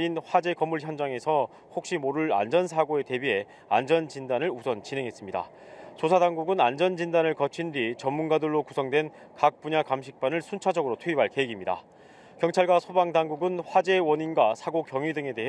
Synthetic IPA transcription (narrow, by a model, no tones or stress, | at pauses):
inɸwad͡ʑe̞kʌmːuɭçjʌnd͡ʑaŋe̞sʰʌ | hok̚ɕ͈imoɾɯɭa̰nd͡ʑʌnsʰaɡoe̞te̞bie̞ | a̰nd͡ʑʌnt͡ɕindanɯɭusʰʌnt͡ɕinɦe̞ŋɦe̞s͈ɯmɲida̰ | sʰosʰadaŋɡuɡɯnand͡ʑʌnd͡ʑindanɯɭkʌt͡ɕʰindɥit͡ɕʌmːunɡadɯɭːokusʰʌŋdwe̞n | kak̚p͈uɲakamɕʰik̚p͈anɯɭsʰunt͡ɕʰad͡ʑʌɡɯɾotʰuibaɭke̞eɡimɲida̰ | kjʌŋt͡ɕʰaɭɡwasʰobaŋdaŋɡuɡɯnɸwad͡ʑe̞wʌɲinɡwasʰaɡokjʌŋɥidɯŋe̞de̞ɦ